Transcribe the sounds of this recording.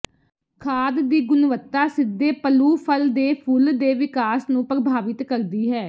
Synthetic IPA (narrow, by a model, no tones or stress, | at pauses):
kʰaːd̪d̪iːɡʊnʋət̪ːaːsɪd̪ːeːpəluːpʰəld̪eːpʰʊld̪eːʋɪkaːsnũːpɾəbʱaːʋɪt̪kəɾd̪iːɦɛː